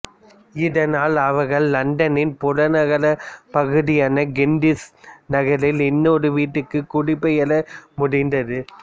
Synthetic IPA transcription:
ɪðɐnaːlɐʋɐɾɣɐɭːɐɳɖɐnɪnpʊɽɐnɐɣɐlɐpɐɣɯðɪjaːnɐɡɛɳɖɪsnɐɣɐɾɪlɪnːoːɾɯʋiːʈːɯkːɯkːʊɽɪpːɛjɐlɐmʊɽɪndɐðɯ

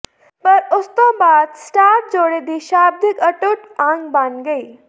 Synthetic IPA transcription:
pɐɾʊst̪õːbaːd̪sʈaːʈ̚d͡ʒoːɽed̪iːʃaːb̚d̪ʱɪkɐʈʊʈãːŋɡbanɡɐiː

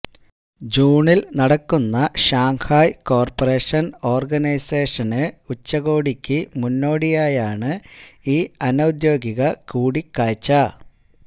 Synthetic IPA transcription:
d͡ʑuːɳilnɐɽɐkːunːɐɕaːŋhaːjko̞ːrpɐre̞ːʂɐno̞ːrɡɐnɐjseːʂɐnɨut͡ɕːɐɣo̞ːɽikʲːɨmunːo̞ːɽijaːjaːɳɨiːɐnɐwd̪jo̞ːɡiɣɐkuːɽikːaːt͡ɕːɐ

